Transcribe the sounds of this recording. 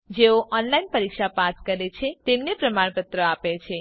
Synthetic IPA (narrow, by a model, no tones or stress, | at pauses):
d͡ʒeoʔɔnlainpəɾikʃapaskəɾet͡ʃʰet̪emnepɾəmaɳ̃pət̪ɾəapet͡ʃʰe